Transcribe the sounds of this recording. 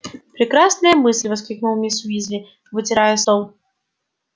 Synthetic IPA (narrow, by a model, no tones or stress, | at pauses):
pɾʲɪkɾasnɨjəmɨsʲlʲvɐskɾʲik̚nulˠmʲisʊizʲvʲɪ | vɨtʲɪɾajəsolˠ